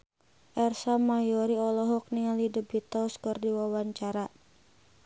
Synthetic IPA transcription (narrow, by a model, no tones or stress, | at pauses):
ʔɛrsamajɔɾiɔlɔɦɔk̚niŋalidəbit̪ɔskərdiwawaɲt͡ʃaɾa